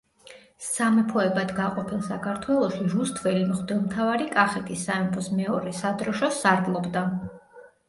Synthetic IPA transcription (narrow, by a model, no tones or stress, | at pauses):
samɛpʰɔɛbad̪ɡaqʼɔpʰilˠsakʰaɾt̪ʰwɛlˠɔʃiɾust̪ʰvɛlimχd̪ɛlˠmt̪ʰavaɾikʼaχɛt̪ʰisːamɛpʰɔsmɛɔɾɛsad̪ɾɔʃɔsaɾɡlˠɔbd̪a